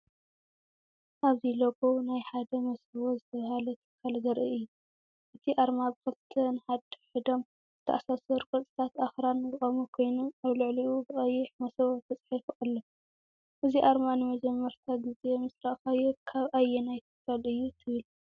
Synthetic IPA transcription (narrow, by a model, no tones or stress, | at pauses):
ʔaβziloɡʼonajħad̪ɐmɐsɐβozɨt̪ʰɐβahalɐt̪ʰɨkʰːalɡɐɾʔɨʔɨjːu | ʔɨt̪ʰiʔaɾmabɨkʰɐlt̪ʰɐnɨħad̪ɨħɨd̪o̞m | zɨt̪ʰɐ̰ʔasasɐɾkʼot͡s̪ʼɨ̥t̪ʰat̪axɾanɨzɨχʼɐmukʰo̞jnomʔaβlɨʕliubɨχʼɐjːɪħmɐsɐwot̪ʰɐt͡sʼħifʔalːo | ʔɨziʔaɾmanɨmɐd͡ʒɛmːɐɾt̪ʰaɡɨze̞mɨsɾaʔxajukʰaβʔajːenajt̪ʰɨ̥kʰːalɨjːut̪ʰɨβɨlu